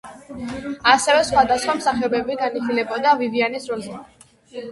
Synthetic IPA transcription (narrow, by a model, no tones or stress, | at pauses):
asɛvɛsχwad̪asχwamsaχɛɔbɛbiɡaniχilɛbɔd̪avivianisɾɔlzɛ